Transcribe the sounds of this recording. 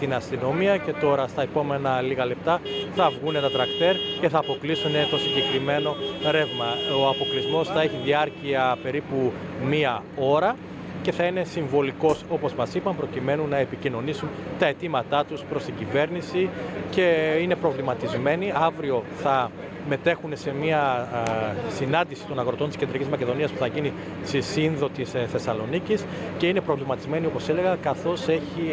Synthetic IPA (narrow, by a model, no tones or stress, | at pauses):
t̪inɐst̪ino̞miɐce̞t̪o̞ɾɐst̪ɐepo̞me̞nɐliɣɐle̞p̚t̪ɐθɐvɣune̞t̪ɐt̪ɾɐkt̪e̞ɾce̞θɐːpo̞klisune̞t̪o̞siɲɟe̞kɾime̞no̞ɾe̞vmɐoɐpo̞klizmo̞sθɐe̞çiðiɐɾciɐpe̞ɾipu | miɐo̞ɾɐ | ce̞θɐine̞siɱvo̞liko̞so̞po̞zmɐsipɐmpɾo̞cime̞nunːɐe̞picino̞nisunt̪ɐe̞t̪imɐt̪ɐt̪uspɾo̞st̪iɟive̞ɾnisice̞ine̞pɾo̞vlimɐt̪izme̞niɐvɾio̞θɐ | me̞t̪e̞xunese̞miɐ | sinɐnd̪isi̥t̪o̞nɐɣɾo̞t̪o̞nt̪scend̪ɾicizmɐce̞ðo̞niɐspu̥θɐʝini | sisinðo̞t̪isθe̞sɐlo̞nicis | ce̞ine̞pɾo̞vlimɐt̪izme̞niopo̞se̞le̞ɣɐkɐθo̞se̞çi